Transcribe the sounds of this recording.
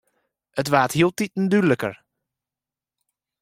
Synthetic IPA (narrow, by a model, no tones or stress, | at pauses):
ətʋaːthiəlˠtit̚n̩dyləkə̰ɹ